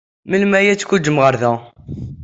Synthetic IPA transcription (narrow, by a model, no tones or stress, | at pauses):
məlmæjæt͡sːkʷud͡ʒːəmʁəɾðæ